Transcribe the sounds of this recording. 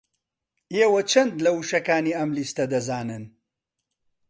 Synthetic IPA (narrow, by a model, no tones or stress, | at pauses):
eːwɐt͡ʃʰɐnd̪lɐwuʃɐkaːniɐmlist̪ɐd̪ɐzaːnɨn